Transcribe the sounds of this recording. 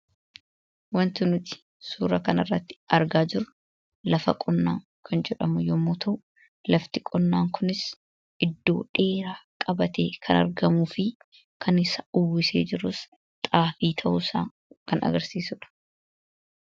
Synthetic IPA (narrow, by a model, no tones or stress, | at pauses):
wɐnt̪ɪnʊt̪ɪ̥ | suːɾɐkɐnɐrːɐt̪ːɪ̥ɐɾɡaːd͡ʒɪɾʊ | lɐfɐ̰kʼɔnːaːŋ | kʰɐnd͡ʒɛᶑɐmʊjɔmːoːt̪ʰɐʔʊ | lɐft̪ɪkʼɔnːaːŋkʰʊnɪs | ʔɪd̪ːo̞̰ːᶑe̞ːɾaːkʼɐbɐt̪eːkʰɐnɐ̰ɾɡɐmuːfɪ | kʰɐnɪsɐʊwːɪsḛːd͡ʒɪɾʊs | t̪ʼaːfiːt̪ʰɐʔʊsa̰ː | kɐnɐ̰ɡɐɾsiːsʊᶑɐ̥